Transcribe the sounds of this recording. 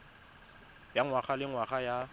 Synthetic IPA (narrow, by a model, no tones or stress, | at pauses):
jaŋwaχalɪŋwaχaja